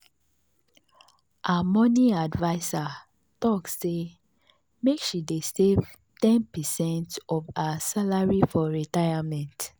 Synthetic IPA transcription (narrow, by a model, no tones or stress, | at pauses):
amɔniadvaɪsa | tɔksːe | mekʃidestev | tɛ̃npɛsɛ̃ntɔvasalaɹifɔɹitajamɛ̃nt